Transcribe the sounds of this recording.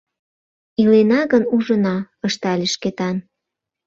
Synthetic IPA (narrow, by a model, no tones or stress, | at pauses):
ilenɑɣənuʒə̆nɑ | əʃt̪ɑlʲeʃket̪ɑn